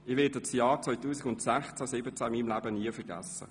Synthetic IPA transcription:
ɪʋɪːdət͡sjɑːɾt͡sʋœjtuːsɪɡʊntsæχt͡sæsɪbət͡sæɪmiːmlæːbəniəfəɾɡæ̰sːə̰

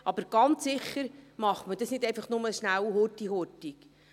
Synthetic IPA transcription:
ʔɑbəɾɡ̥ɑntsɪχːəɾmɑχtməd̥ɑsnɪdɛjfɑχnʊməʃnæwɦotiɦɔtik

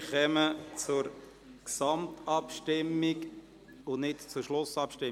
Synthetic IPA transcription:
χɛmət͡sʊɾ | ksɑmtɑpʃtɪmːik | ʊnɪtt͡sʊʃlʊsɑpʃtɪ

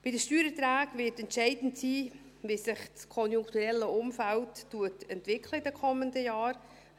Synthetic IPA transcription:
b̥ɪdəʃtyːɾətɾæːkvɪtɛntʃɛɪdn̩tsiː | viːsɪχt͡skʰɔnjʊŋktuɾɛlːəʔʊmfæltːuətɛntvɪkʰləɪdɛkʰɔməndəjɑːɾ

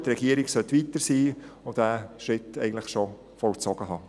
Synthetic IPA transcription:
tɾɛɡ̥iəɾɪɡsœt̪ːʋit̪əɾsiːod̥æʃɾɪtɛɪɡən̩tləχʃɔ | fɔlt͡sɔɡ̥əɦɑː

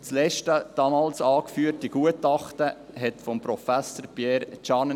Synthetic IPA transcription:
t͡slɛʃtəd̥ɑmɑːlsɑːkfyːəɾtiɡ̥uətɑχtə | ɦɛtfɔmprɔfæsəɾpjɛːɾt͡ʃɑn

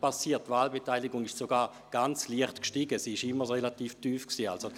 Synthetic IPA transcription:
pasiːɐttvaːlbetaɪliɡʊŋɪʃsoɡaːʁ | ɡ̥ant͡sliəχtkʃtiːɡəsiːɪʃɪmːəʁelatiːftyːfksiːa̰lso

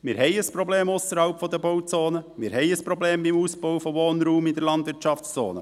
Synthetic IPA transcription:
mɪːɾɦɛɪəspɾɔbleːmʊsəɾhɑʊpfɔd̪əbowt͡soːnəmɪːɾɦɛɪəspɾɔbleːmbimuːsbɔwfɔʋoːnɾuːmid̪əɾlɑnd̪vʋɪɾtt͡ʃɑft͡st͡so̰ːnə̰

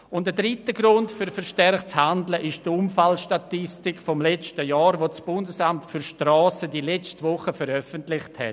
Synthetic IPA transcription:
ʊntədɾitəɡɾʊntfyɾfəɾʃtɛɾχt͡shandləʔɪʃd̥əumfalʃtatɪstɪkfɔmlɛt͡ʃtəjɑːɾʋosb̥ʊndəsamtfyɾʃtrɔːsədilɛt͡stəvʊχəfəɾœfəntlɪχthɛ̰

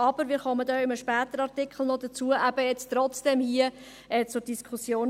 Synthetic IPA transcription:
ɑb̥əɾvɪːɾχɔmədɔʏməʃpæːt̪əɾɑɾtɪkχl̩ˠnɔdət͡suːəʔæb̥əjɛt͡stɾɔt͡sd̥ɛmhiə | ɛːt͡sʊɾd̥iskʰusjoːn

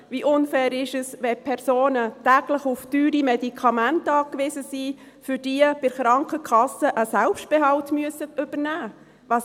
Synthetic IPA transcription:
ʋiʔʊnfɛːɾɪʃəsʋɛpʰɛɾsoːnətæːɡ̥ləχuftyːɾimɛdikʰɑmæntɑːkʋɪzəsiː | fʏɾd̥iəb̥ɪɾχɾɑŋkəkʰɑsəʔəsælpʃt̚b̥ɛɦɑltmyəsətʏb̥ənæː | ʋɑːs

